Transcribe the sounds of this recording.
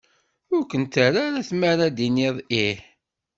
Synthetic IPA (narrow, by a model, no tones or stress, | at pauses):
ʊɾkʷənt̪æɾaɾaθmæɾad̪iniðˤiħ